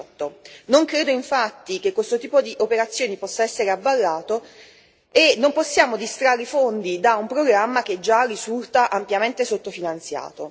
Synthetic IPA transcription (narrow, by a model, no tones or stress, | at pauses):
t̪ːonoŋkɾeːd̪oiɱfat̪ːik̟ekːwest̪ot̪iːpod̪iʔopeɾat̪sːjoːnipɔsːaɛsːeɾeabːalːaːt̪o | enːomposːjaːmod̪ist̪ɾaːɾifond̪id̪aumpɾoɡɾamːak̟ed͡ʒarizult̪aʔampjament̪esot̪ːofinant̪sja̰ːt̪o